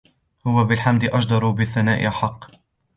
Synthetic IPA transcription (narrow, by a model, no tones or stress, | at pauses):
hʊwabɪlħamd̪ɪʔɑd͡ʒd̪ɑɾˤubɪθːanaːʔɪ̰ʔaħɑqː